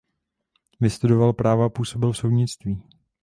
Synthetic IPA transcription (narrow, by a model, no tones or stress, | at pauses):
vɪst̪udo̞valpɾaːvapuːso̞bɪlfso̞wdɲɪt͡st̪viː